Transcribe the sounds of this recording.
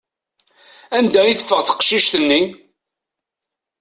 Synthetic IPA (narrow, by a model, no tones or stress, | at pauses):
ænd̪æjiθəfːəʁθə̥qʃiʃt̪ənːi